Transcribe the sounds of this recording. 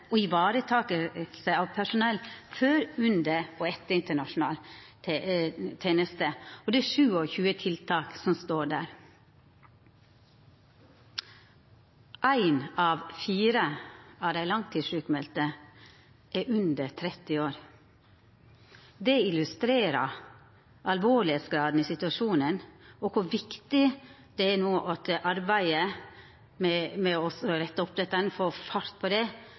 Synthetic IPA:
ɔɪʋɑːɾət̪ʰɑːkəsæɪɑːʋpʰæʂʊnɛlføːɾʉnd̪əoɛt̪ːəɾɪnt̪əɳɑʂʊn̩ɑ̰ːl | t̪ʰeːnəst̪əɔd̪ɛæʂʉːɔçʉːət̪ʰɪlt̪ʰɑːksɔmst̪oːɖæ̰ːɾ | ʔæɪnɑːʋfiːɾəɑːʋd̪æɪlɑŋt̪ʰiːd̪ʂʉːkmɛlt̪ə | ʔæʔʉnd̪ət̪ʰɾɛt̪ɪoːɾ | d̪ɛɪlʉst̪ɾeːɾə | ʔɑlʋoːɭɪeːt̪sɡɾɑːd̪n̩isɪt̪ʉɑʃuːnənoːkʰʊʋɪkt̪ɪ | d̪̥ɛæːnoːʔɑt̪əʔɑɾbæɪə | mɛmɛɔsɔɾɛt̪ːəʊp̚d̪ɛt̪ːənfoːfɑɾt̪̚pʰoːd̪ɛ

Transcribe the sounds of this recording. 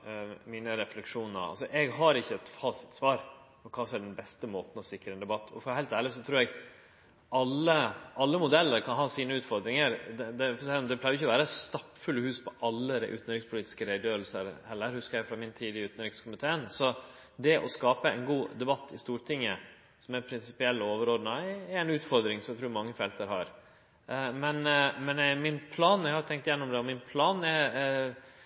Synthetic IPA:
miːnəɾɛflɛkʂuːnə̰ɾɑ̰lsɔʔɛɡɦɑɾɪçːəɛt̪fɑːsɪ̥t̪sʋɑːɾ | ɔkʰɑːsɔmɛɖɛnbɛst̪əmoːt̪n̩ɔsɪkɾəɛnd̪ɛbɑt̪ːʰɔ̰fɔɾhɦæɪt̪æːɭɪsɔt̪ʰɾuːɾɛɡ | ɑlːəɑlːəmʊd̪ɛlːəɾkʰɑnɦɑːsiːnəʉːt̪fɔɾd̪ɾɪŋəɾd̪ɛd̪ɛfsɛlɔmd̪ɛpʰlæːʏɾɪçːəɔʋæːɾəst̪ɑpːfʉlːhʉːspʰɔʔɑlːəɾʔʉ̰t̪nəɾɪŋspʰʊliːt̪ɪ̥skəɾæɪd̪ɪjøːɾəlsəɾhɛlːəɾhʉskəɾjæɪfɾɑmɪnt̪ʰiːd̪ɪəʉːt̪nəɾɪkskʰʊmɪt̪ʰeːənsɔ | d̪ɛʔɔskɑːpəɛ̰nɡuːd̪ɛbɑt̪ʰːɪst̪uːʈʰɪŋːə | sɔmæɾpʰɾɪnsɪ̥pɪɛlːoːʋəɾoːd̪nɑɛɾɛnʉːt̪fɔɾd̪ɾɪŋsɔmæɡt̪ɾuːɾmɑŋːəfɛlt̪əɾɦɑ̰ːɾ | mɛnmɛnmɪnpʰlɑːnjæɡhɑɾt̪ʰɛŋkt̪ɪjɛnːɔmd̪ɛɔmɪnpʰlɑːnɛ

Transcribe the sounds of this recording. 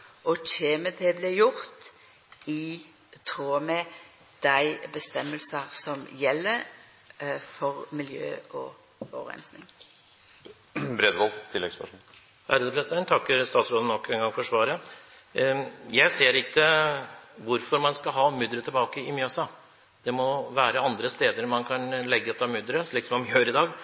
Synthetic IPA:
ɔçeːməd̪ɛblɛjʊʁt̪ | ɪ | t̪ʰɾuːmɛ | d̪̥æɪbəst̪ɛmːəlsəʁsɔmjɛlːəɾ | fɔʁmɪljø̰ːɔ̰ | ɔʋəʁɛ̰nsnɪ̰ŋ | bɾeːd̪ɡɔlt̪ʰɪlːɛ̰ɡspɑʂuːn | æɾəd̪əpʰɾɛsɪd̪ɛnt̪ʰɑkːəɾst̪ɑːt̪sɾoːd̪ənɔkːɛnŋɡɑŋfɔʂʋɑːɾə | jæɪseːɾɪkːə | ʋʊɾfɔɾmɑnskɑɦɑːmʏd̪ɾət̪ʰɪlbɑːkəɪmjøːsɑ | d̪̥ɛmɔʋæːɾəɑnd̪ɾəst̪eːd̪əɾmɑnkʰɑnlɛɡːəət̪ʰɑmʏd̪ɾəʂɭiːksɔmɔmjøːɾɪd̪ɑːɡ

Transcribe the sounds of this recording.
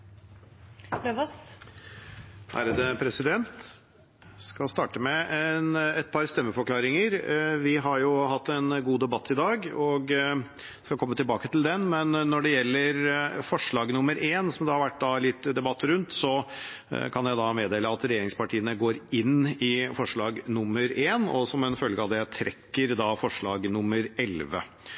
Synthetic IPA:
løʋɑs | hæ̰ɾəd̪əpʰɾɛsɪd̪ɛnt̪ | skɑlst̪ɑːʈəmɛɛnɛt̪̚pʰɑɾst̪ɛmːəfɔɾkʰlɑːɾɪŋəɾʋɪɦɑɾjʊɦɑt̪ʰːɛnɡuːd̪ɛbɑt̪ʰːɪd̪ɑːɡɔɡ̪ | skɑkʰɔmːət̪ɪlbɑːkət̪ɪld̪ɛnmɛnːɔɖɛjɛlːəɾfɔʂɭɑːɡnʊmːəɾʔeːnsɔmd̪ɛhɑɾʋæʈːd̪ɑlɪt̪ːd̪ɛbɑt̪ːɾʉnt̪sɔ | kʰɑnjæɪd̪ɑmeːd̪eːləɑt̪ɾɛjeːɾɪŋspɑʈʰiːənəɡoːɾɪnːɪfɔʂɭɑːɡnʊmːəɾeːnɔ̰sɔmɛnfœlɡəɑʋd̪ɛæt̪ʰɾɛ̰kːəɾd̪ɑfɔʂɭɑːɡnʊmːəɾɛlʋə̰

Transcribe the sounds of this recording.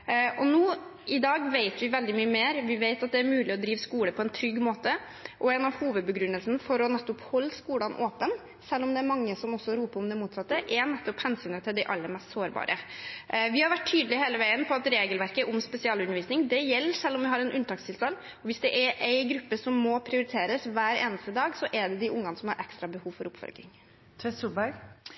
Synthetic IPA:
ʔɔnuːɪd̪ɑːɡʋeɪt̪ʋɪʋɛld̪ɪmyːəmeːɾʋɪʋeɪt̪ɑt̪̚d̪ɛæɾmʉːlɪɔd̪ɾiːʋskuːləpʰɔɛnt̪ʰɾʏɡːmoːt̪ə | ʔɔɛnɑʋhuːʋəd̪̚bəɡɾʉnːəlsnəfɔɾɔnɛt̪ːɔphɔlːskuːlɑnʔoːpən | sɛlːɔmd̪ɛæɾmɑŋːəsɔmɔsːɔɾuːpəɾʊmd̪ɛmuːt̪sɑt̪ːəʔɛnɛt̪ːɔphɛnsyːnət̪ʰɪld̪æɪʔɑ̰lːəmɛst̪soːɾbɑ̰ːɾʔə | ʋɪhɑɾʋæʈʰːyːd̪əlɪheːləʋæɪənpʰɔɑt̪ɾeːɡəlʋæɾkəʔʊmspɛsɪɑːlʉnːəɾʋiːsnɪŋd̪ɛjɛlːəʂɛlːɔmʋɪɦɑɾɛnʔʉnt̪ɑːkst̪ʰɪlst̪ɑlː | ɔʋɪsd̪ɛʔɛɾʔæɪɡɾʉpːəsɔmːɔpʰɾɪʊɾɪt̪ʰeːɾəsʋæːɾḛːnəst̪əd̪ɑːɡsɔʔɛɖɛd̪ɪʔʊŋːɑnəsɔmhɑɾʔɛ̰kst̪ɾɑbəhuːʋfɔɾʊpfɔ̰lɡɪ̰ŋ | t̪ʰʋɛsubæɾɡ

